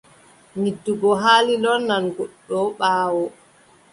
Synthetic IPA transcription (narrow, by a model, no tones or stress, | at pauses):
midːuɡɔɦaːlilɔnːanɡuɗːɔɓaːwɔ